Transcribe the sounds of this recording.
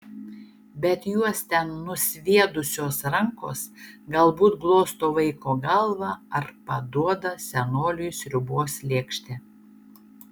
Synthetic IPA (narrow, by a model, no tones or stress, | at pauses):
bʲɛt̪juɔst̪ʲɛnːʊsʲʋʲiɛd̪ʊsʲoːsɾɐŋko̰ːsɡɐlˠbuːt̪ɡlˠoːst̪oːʋɐɪkoːɡɐlˠʋɑɐɾpɐd̪uɔd̪ɐsʲɛnoːlʲɪjʊsɾʲʊbuɔslʲeːkʃʲt̪ʲeː